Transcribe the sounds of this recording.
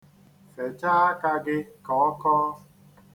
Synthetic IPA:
fe˨t͡ʃaː˦a˦ka˦ɡɪ˦kɔ˨˦ɔ˦kɔː˦

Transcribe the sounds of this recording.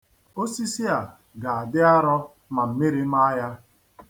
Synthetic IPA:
o˦si˦si˦a˨ | ɡa˨a˨dɪ˦a˦ɾɔ˦ | ma˨m̩˨mi˦ɾi˦ma˦ja˦

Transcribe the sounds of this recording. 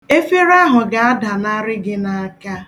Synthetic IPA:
e˦fe˦ɾa˦ɦʊ˨ɡa˨a˦da˨na˦ɾɪ˦ɡɪ˦na˦a˦ka˦

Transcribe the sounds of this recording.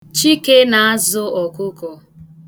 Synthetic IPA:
t͡ʃi˦ke˦na˨a˦zʊ˦ɔ˨kʊ˦kɔ˨

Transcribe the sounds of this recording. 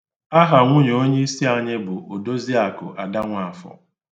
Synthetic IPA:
a˦ɦa˨ŋʷʊ˦ɲ˨o˦ɲe˦i˦si˦a˦ɲe˦bʊ˨ʔo˨do˦zi˦a˨kʊ̰˨ʔa˨da˦ŋʷa˨a˨fɔ̰˨

